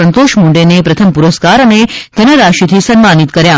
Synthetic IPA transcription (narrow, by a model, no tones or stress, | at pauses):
ənt̪oʃmuɳɖenepɾət̪ʰəmpuɾəskaɾəned͡ʒ̪ʱənəɾaʃit̪ʰisənmanit̪kəɾja